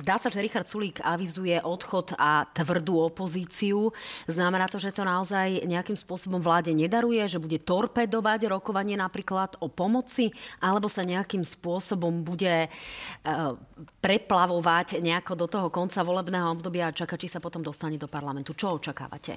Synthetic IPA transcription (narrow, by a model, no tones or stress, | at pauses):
zd̪aːsaʒɛɾixaɾt̪suliːkaʋizujɛʔɔt̪xɔt̪at̪ʋr̩d̪uɔpɔziːt͡siuznamɛnaːt̪ɔʒɛt̪ɔnaɔzajɲɛakimspʊɔsɔbɔmvlaːɟɛɲɛd̪aɾujɛʒɛbuɟɛt̪ɔɾpɛd̪ɔʋaɟɾɔkɔʋaɲɪɛnapɾiːklad̪ɔpɔmɔt͡siʔalɛbɔsaɲɛakimspʊɔsɔbɔmbuɟɛ | pɾɛplaʋɔʋacɲɛakɔd̪ɔt̪ɔɦɔkɔnt͡saʋɔlɛbnɛːɦɔɔbd̪ɔbɪaːt͡ʃakaːt͡ʃisapɔt̪ɔmd̪ɔst̪aɲɛd̪ɔpaɾlamɛnt̪ut͡ʃɔɔt͡ʃaka̰ːʋa̰cɛ̰